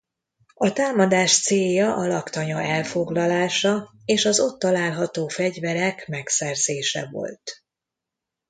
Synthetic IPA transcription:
ɒt̪aːmɒd̪aːʃt̪seːjɒʔɒlɒkt̪ɒɲɒɛlfo̞ɡlɒlaːʃɒ | eːʃɒzo̞t̪ːɒlaːlɦɒt̪oːfɛɟvɛɾɛkmɛksɛrzeːʃɛ̰vo̰lt̪

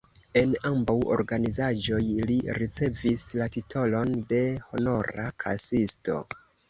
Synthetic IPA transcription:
e̞nambawo̞̰ɾɡanizad͡ʒo̞jliɾit͡se̞vislatitʰo̞lo̞nde̞ho̞no̞ɾa̰kʰa̰sisto̞̰

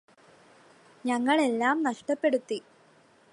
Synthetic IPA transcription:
ɲɐŋːɐɭe̞lːaːmnɐʂʈɐpːe̞ɽut̪ːi

